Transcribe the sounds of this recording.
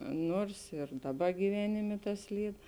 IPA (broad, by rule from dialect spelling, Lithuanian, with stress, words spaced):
ˈnuɔrs ɪr ˈdɑːˌbɐ ɡʲiːˈʋʲæːnʲɪmʲeː ˈtɐs ˈlʲiːt